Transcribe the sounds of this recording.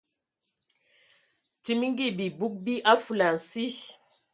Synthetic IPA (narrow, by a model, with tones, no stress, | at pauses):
ti˦m˦ŋ̩˦ɡi˦˨bi˨bu˦k̚bi˦ʔa˦fu˨la˨n̩˨si˦